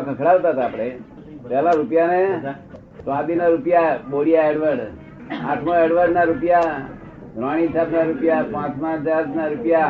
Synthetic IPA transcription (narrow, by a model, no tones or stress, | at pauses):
kʰəkʰɽaʋt̪at̪apɽ̃e | t̪alaɾupjane | sʋãd̪inaɾupjaboɽijaeɽʋəɖ | ã̰ʈʰmaeɽʋəɖnaɾupja | d̪ɾaɽ̃isat̪ʰnaɾupjapãt͡ʃmãd͡ʒadnaɾupja